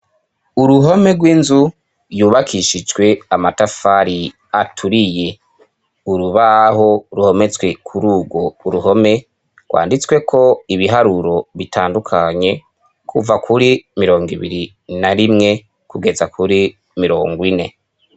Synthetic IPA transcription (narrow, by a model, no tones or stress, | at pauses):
uɾuɦo̞me̞ɡwiːnzu | juːβakʰiʃid͡ʒwe̞amatafaɾi | atʰuɾije̞ | uɾuβaɦo̞ɾuho̞me̞t͡swe̞kʰuɾuːɡo̞uɾuho̞me̞ | ɡwa̰ːndit͡swe̞kʰo̞iβiɦaɾuɾo̞βitaːndukʰaɲe̞ | kʰuvakʰuɾimiɾo̞ːŋɡiβiɾi | naɾimŋe̞ | kuɡe̞zakʰuɾi | miɾo̞ːŋɡwine̞